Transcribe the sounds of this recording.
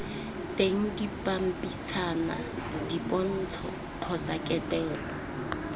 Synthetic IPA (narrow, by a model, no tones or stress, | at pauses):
teŋ̩dipʼam̩pʼit͡sʰana̰ | dipʼɔn̩t͡sʰɔ | q͡χʰɔt͡sʼakʼɛtʼɛːlɔ